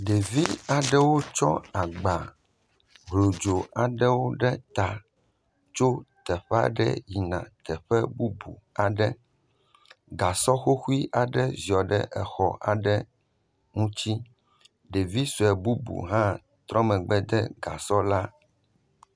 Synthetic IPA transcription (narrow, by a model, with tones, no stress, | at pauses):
ɖe˨vi˦a˨ɖɛ˦wo˦t͡ʃɔ̰˦a˨ɡ͡ba˨ | ɦlo˨d͡ʒo˨a˨ɖɛ˦wo˦ɖɛ˦t̪a˨ | t͡ʃo˦t̪ɛ˨ɸɛ˦a̰˨ɖɛ̰˦ji˨nã̰˨t̪ɛ˨ɸɛ˦bu˦bṵ˨a˨ɖɛ˦ | ɡa˨sɔ˦xo˦xu˦i˦ʔa˨ɖɛ˦zi˨ɔ˨ɖɛ̰˦ʔɛ˨xɔ̰˨ʔa̰˨ɖɛ˦ | ŋũ˦t͡ɕi˦ | ɖe˨vi˦su˨ɛ˨bu˦bṵ˨ɦã˦ | t̪ɾɔ˦mɛ̃˨ɡ͡bɛ˦d̪ɛ˦ɡa˨sɔ˦la˦